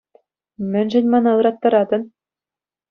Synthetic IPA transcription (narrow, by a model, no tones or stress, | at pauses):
mʲɘ̆nʲʑɘ̆nʲmɑnɑɯɾɑt̪ːɑɾɑd̪ɤ̆n